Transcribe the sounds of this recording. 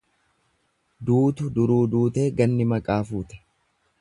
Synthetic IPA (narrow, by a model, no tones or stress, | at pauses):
d̪uːt̪ʊd̪ʊɾuːd̪uːt̪e̞ːɡɐnːɪmɐkʼaːfuːt̪ɛ̥